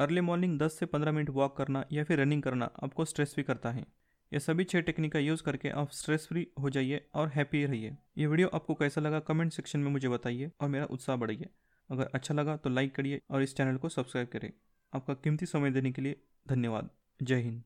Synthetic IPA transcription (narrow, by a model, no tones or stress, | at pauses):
ɐɾlemɔːɾnɪ̃ŋɡd̪ɐsːepɐ̃nd̪ɾamɪnəʈʋɔːkːɐɾnajafʰɪɾːɛnɪ̃ŋɡkɐɾna̰ʔa̰ːp̚kosʈɾeːsfikɐɾt̪aɦɛ̰̃ː | jʔesɐbʱit͡ʃʰeʈeːknikajuːzkɐɾkḛʔa̰ːpsʈɾeːsfɾiɦod͡ʒaːieɔːɾɦɛːpiɾɐɦieːjeʋɪːɖijoʔaːp̚kokɛːsalɐɡakɔmẽːɳʈsɛkʃənmẽmʊd͡ʒʱebɐt̪aːieɔːɾmeːɾa̰ʔʊt̪saːɦbɐɽ̤əieː | ɐɡəɾɐtːʃʰalɐɡat̪olaːɪkːɐɽ̤ieɔːɾɪst͡ʃɛːnəlkosɐbskɾaːɪb̚kɐɾḛː | aːp̚kakɪ̃mt̪isɐməjd̪eːnekelie | d̪ʱɐnjəʋa̰ːd̪̚ | d͡ʒɐːɦin